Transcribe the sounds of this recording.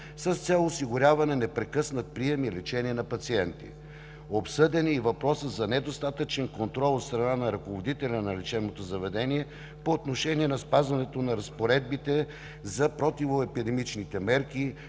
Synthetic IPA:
səst̪sʲɛlˠosiɡʊɾʲavɐnɛnɛpɾɛkɤsnət̪̚pɾiɛmilɛt͡ʃɛniɛnɐpɐt̪siɛnt̪ḭ | opsɤd̪ɛniːvɐpɾɔsəzɐnɛd̪ost̪at̪ət͡ʃɛnkont̪ɾɔlˠot̪st̪ɾɐnanɐɾɐkovod̪it̪ɛlʲɐnɐlɛt͡ʃɛnot̪ozɐvɛd̪ɛniɛ | poːt̪noʃɛniɛnɐspazvɐnɛt̪onɐɾɐspoɾɛd̪̚bit̪ɛ | zɐpɾot̪ivoɛpid̪ɛmit͡ʃnit̪ɛmɛɾki

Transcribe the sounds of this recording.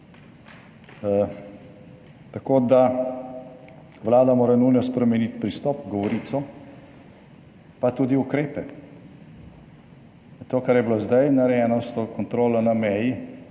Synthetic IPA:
t̪akoːd̪a | ʋlaːd̪amoːɾanulnɔspɾɛmɛnit̪pɾist̪ɔpɡɔʋɔɾiːt̪sɔ | pat̪uːd̪iukɾeːpɛ | t̪oːkaɾjɛbilozd̪ajnaɾɛɛːnɔst̪ɔkɔnt̪ɾoːlanamɛji

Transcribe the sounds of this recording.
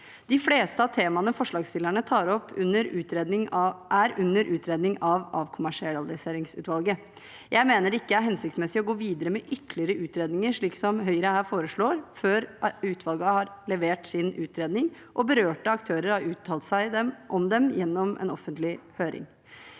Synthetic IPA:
d̪̥ɪfleːst̪əɑʋt̪ʰeːmɑnəfɔʂɭɑːɡst̪ɪlːæɳət̪ʰɑːɾɔpːʉnːəɾʉːt̪ɾeːd̪ɪŋʔæɾʉnːəɾʔʉːt̪ʰɾeːd̪nɪŋɑʋʔɑʋkʰʊmæʂɪɛld̪əseːɾɪŋsʉ̰ːt̪ʋɑlˠɡə | jʔæɪmeːnəɾɪkːəæɾɦɛnsɪkt̪smɛsɪɔɡoːʋiːd̪əɾəmɛʔʏt̪lɪəɾəʔʉːt̪ɾeːd̪nɪŋəɾʂɭiːksɔmɦœʏɾəhæːɾfoːɾəʂɭoːɾføːɾʉːt̪ʰʋɑlɡɑhɑɾlɛʋeːʈsɪnʉːt̪ɾeːd̪nɪŋ | ʔɔbəɾøːʈəɑkt̪ʰøːɾəɾhɑɾʉːt̪ʰːɑːlt̪sæɪd̪ɛmʔɔmd̪ɛmjɛnːɔmʔɛ̰nɔfːənt̪lɪhøːɾɪ̰ŋ

